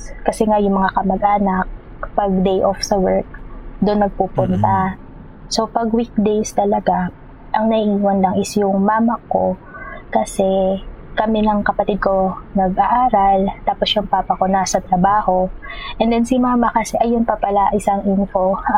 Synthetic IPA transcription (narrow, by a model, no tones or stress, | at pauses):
kɐsɛŋajʊŋmɐŋakɐmɐɡʔaːnɐk̚ | pɐɡ̚d̪ejʔofsɐwɛɹk̚d̪ʊnːɐɡ̚pupʊnt̪ɐ | so̞pɐɡwik̚d̪ejst̪ɐlɐɡa | ʔɐŋnɐʔiʔiːwɐnlɐŋɪsjʊŋmaːmɐko | kɐsɛkɐmɪnɐŋkɐpɐt̪ɪd̪̚ko̞nɐɡʔaʔaːɾɐlt̪aːposjʊŋpapɐkonasɐt̪ɾɐbaːho̞ʔɛnd̪ɛnsɪmaaːmɐkɐsɛʔɐjʊnpɐpɐlaʔɪsaŋʔinfo̞